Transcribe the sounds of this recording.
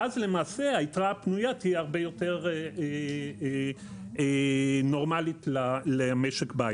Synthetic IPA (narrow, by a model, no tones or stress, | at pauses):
azle̞maːse̞aitʁapnujat̪ieaʁbejo̞te̞ʁee | eno̞ʁmalitlalemeʃekbaa